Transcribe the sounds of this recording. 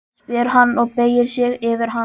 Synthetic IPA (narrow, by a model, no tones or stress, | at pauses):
pɛɾɦanːɔɣpeːjɪɾ̥sjɛɣɪːvɪɾɦa